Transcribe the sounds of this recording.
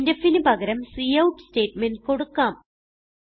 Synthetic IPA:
ndɐfːinubʱɐɣɐɾɐmsiːɐwʈste̞ːtmenɖko̞ɽukːaːm

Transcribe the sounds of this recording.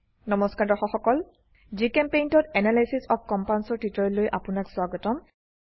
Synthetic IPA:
nɔmɔskaɹdɔxɔxɔkɔl | zikɛmpejntɔtɛnalajsisɔk̚kːɔmpawnsɔɹtitɔɹɔlːojʔapʊnakswaɡɔtɔm

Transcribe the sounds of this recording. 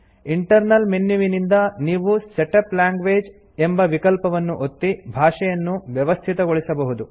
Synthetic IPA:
iɳʈɐɾnɐlmenjuʋinind̪ɐniːʋuseʈɐplaːŋɡʋeːd͡ʒ | embɐʋikɐlpɐʋɐnːuʔot̪ːibʱaːʂɛjɐnːuʋjɐʋɐst̪ʰit̪ɐɡoɭisɐbɐɦud̪u

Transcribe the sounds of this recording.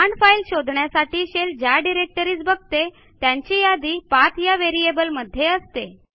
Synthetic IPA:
aɳɖfailɕod̪ʱɳjasaʈiːɕeld͡ʑjaɖiɾek̚ʈəɾiːt͡sbəɡ̚ʱt̪e | t̪jãɲt͡ɕiːjad̪iːpat̪jaʋeɾiebəlməd̪ʱːjeəst̪e

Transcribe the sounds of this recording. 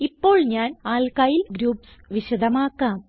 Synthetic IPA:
ipːo̞ːɭɲaːnaːlkajilɡɾuːpsʋiɕɐd̪ʱɐmaːkːaːm

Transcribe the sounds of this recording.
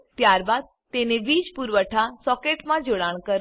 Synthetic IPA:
t̪jaːɾbaːd̪̚ | t̪eːnẽʋiːd͡ʒpuɾʋəʈʰasɔːkeːʈmãd͡ʒoːɽaːɽ̃kəɾ

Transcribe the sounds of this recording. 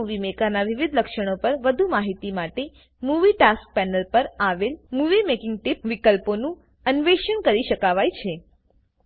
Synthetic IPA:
uʋimekanaʋɪʋid̪ʱləkʃəɽ̃opəɾʋəd̪ʱumaɦit̪imaʈe | muʋiʈask̚pɛnəlpəɾaʋelmuʋimekɪ̃ŋɡ̚ʈɪp̚ʋikəlponũ | ənʋeʃəɳkəɾiʃəkaʋajt͡ʃʰe

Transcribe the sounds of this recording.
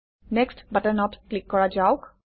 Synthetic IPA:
nɛkstbatənɔtklikːɔɹad͡ʒaʊk

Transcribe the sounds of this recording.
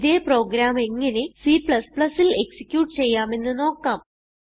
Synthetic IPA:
ðeːpro̞ːɡɾaːme̞ŋːɐne̞siːpɭɐspɭɐsile̞ksi̥kʲːjuːʈːɨt͡ɕe̞jːaːme̞nːɨno̞ːkːaːm

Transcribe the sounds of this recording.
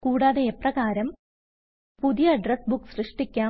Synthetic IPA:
kuːɽaːðeeprɐɣaːɾɐm | puðijɐɖresbukːsrɨʂʈikʲːaː

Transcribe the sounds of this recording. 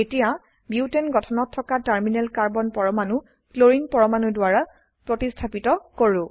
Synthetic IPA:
etija | biwtenɡɔtʰɔnɔtʰːɔkataɹminɛlkaɹbɔnpɔɹɔmanʊ | kloɹiŋpɔɹɔmanudwaɹa | pɹotistʰapitɔkoɹʊ̃

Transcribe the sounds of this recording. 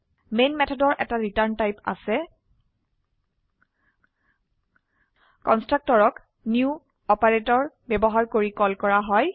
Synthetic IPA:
menmɛtʰɔdɔɹʔɛtaɹitaɹntajpa̰sɛ | kɔnstɹak̚tɔɹɔk | niu | ɔpaɹetɔɹ | bɛbɔɦaɹkoɹikɔlkɔɹaɦɔj

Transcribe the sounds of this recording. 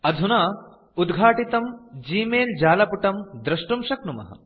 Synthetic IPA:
ɐd̪ʱunaː | ud̪ɡʱaːʈit̪ɐmd͡ʒiːmeːld͡ʒaːlɐpuʈɐmd̪ɾɐʂʈumʃɐknumɐ̰ɦɐ̰

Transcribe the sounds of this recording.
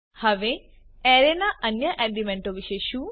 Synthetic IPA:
hɐʋe | eɾenaʔɐnjɐʔeɖimeɳʈoʋiʃeːʃu

